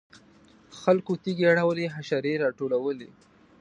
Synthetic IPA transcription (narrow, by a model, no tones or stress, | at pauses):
xalkot̪iɡeaɽawleɦaʃaɾeɾɑʈolawəlḛ